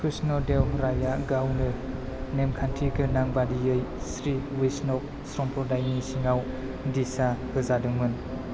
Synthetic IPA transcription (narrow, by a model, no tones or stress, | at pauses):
kʰɾisnɔdewɾajaɡawnɯ | nemkʰantʰiɡʰɯnaŋbadijɯjsɾiwisnɔk̚sɾɔmpʰɔdajnisiŋaw | disahɯzadɯŋmɯn